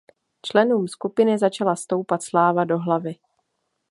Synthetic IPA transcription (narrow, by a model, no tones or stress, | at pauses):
t͡ʃlɛnuːmskupɪnɪzat͡ʃalast̪o̞wpat̪slaːvado̞ɦlavɪ